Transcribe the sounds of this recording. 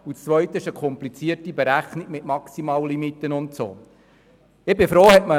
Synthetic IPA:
ut͡st͡sʋœʏtəɪʃəkʰɔmplit͡siəɾtibɛɾæχnikmɪtmɑksimɑːllimitːənʊntso̰ː | ɪbɪfɾoːhɛtmə

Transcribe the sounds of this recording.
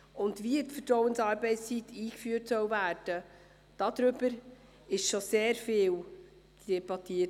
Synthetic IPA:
ʊndviːtfətɾɔwənsɑːɾbɛɪt͡sst͡siːtʰiːkfyːrtsœwvæːrd̥ə | d̥ɑd̪̥ɾʏbəɾ | ɪʃʃoseːɾfeːw | d̥ɛbɑtiːə

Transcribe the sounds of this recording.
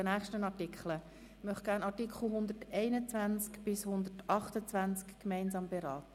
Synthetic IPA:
ənæːχʃtənɑtɪkχlə | mœχ̚ɡ̥æːɾnɑɾtikχl̩ˠɦʊnd̪ərtɛɪnət͡sʋænt͡skb̥ɪshʊnd̪ətʰɑχtət͡svænt͡skːmɛɪnsɑːmbeɾɑːtə

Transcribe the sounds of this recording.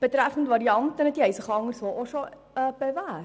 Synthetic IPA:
b̥ətɾæfəntvɐɾiɐntɐnɛtdiɛjsəχəɐŋərsɔlʔɔʃɔ | əbəvæ

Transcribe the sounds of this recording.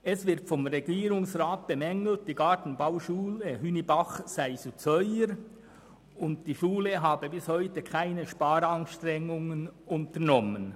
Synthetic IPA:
ɛsvɪʁtfɔmʁeɡiːɾʊŋsʁaːt̚b̥emɛŋl̩t̚d̥iːɡɑtn̩baʊʃuːləhynibɑχsaɪsut͡sœʏəɾ | ʊndd̥iːʃuːləɦaːbəbɪshœʏtəkʰaɪnəʃpaːɾɑnʃtʁɛŋʊŋənʊntəʁnɔmən

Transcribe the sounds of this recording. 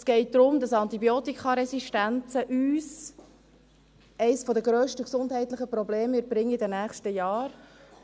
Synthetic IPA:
sɡ̥ɛɪt̚d̪ɾʊmdɑsɑnt̪ibjɔːtikʰɑɾɛsiʃtænt͡səʔyːs | ɛɪsfɔdəɡɾøːʃtəksʊndhɛɪt̪ləχəpɾɔbleːmɪɾb̥ɾɪŋəɪdənæːχʃtəjɑːɾ

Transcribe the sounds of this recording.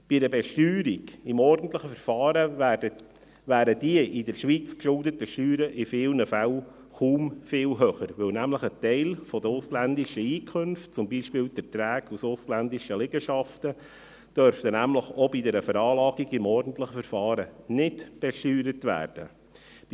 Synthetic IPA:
b̥idəbɛʃtyːɾiɡ̥ɪmɔɾdən̩t̪ləχəfəɾfɑːɾəə | ʋæːɾədiəʔɪdɛɾʃʋiːt͡skʃʊldətəʃtyːɾəʔɪfɪːlnəfæl | χuːmfɪːlɦœχəɾʋɪwnæmləχətɛɪlfɔd̪əɾʊslænd̪iʃəiːkʰχɵnft̚t͡sʊmbiʃpɪːwd̥̪ətɾæːɡusʊslændiʃəlɪɡəʃɑft̪ə | d̥œɾftənæmləχɔbidɛɾəfəɾɑːlɑːɡiɡɪmɔɾdən̩t̪ləχəfəɾfɑːɾənɪdb̥ɛʃtyːɾətʋæ̰ːɾd̥ə̰

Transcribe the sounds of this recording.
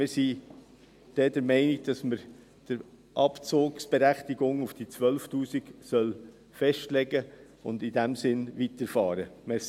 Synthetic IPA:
mɪːɾsi | d̥ɛːdəɾmɛɪnɪɡ̚d̥ɑsməɾ | d̥əɾ | ʔɑpt͡soːksb̥ɛɾæχtiɡʊŋufd̥it͡sʋœlftuːsiksœl | fɛʃtlɛɡə | ʊ̰ndɪdæmsɪnvitəɾfɑːɾəme

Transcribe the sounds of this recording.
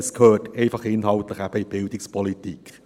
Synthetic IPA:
skʰøːteɪfɑχɪnhɑltləχæb̥əib̥ɪldɪkspʰɔlitik

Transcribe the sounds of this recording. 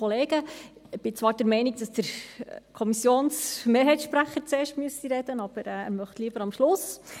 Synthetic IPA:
ɔleːɡəb̥ɪt͡sʋɑːɾd̥ɛɾmɛɪniɡd̥ɑsd̥əɾkʰɔmisjoːnsmeːɾɦɛɪtʃpɾæχːəɾt͡seːɾʃtmyəsiɾɛd̥ənɑb̥əɾæ̰ːɾmœχtliːəb̥əɾɑmʃlʊs

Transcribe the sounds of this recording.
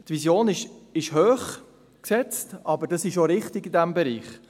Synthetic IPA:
t̪ʋisjoːnɪʃɪʃhøːχ | ksɛt͡stɑbədɑsɪʃoɾɪχtɪɡidæmbɛɾiːχ

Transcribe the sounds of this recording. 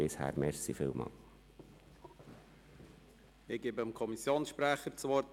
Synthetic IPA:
ɪshæ̰ːɾmɛɾsifɪːlmɑ̰l | ɪɡ̥eːbəəmkʰɔmisjoːnsʃpɾæχəɾt͡sʋɔɾt

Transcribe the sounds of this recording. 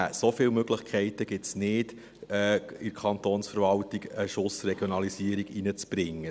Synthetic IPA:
æsofɪːlmøɡləχkʰɛɪtəɡ̥ɪtsnɪd | ɛɪɾkʰɑnt̪oːnsfəɾvɑltiɡəʃʊsrɛɡ̥jonɑlisiəɾiɡinət͡sb̥ɾɪŋːə

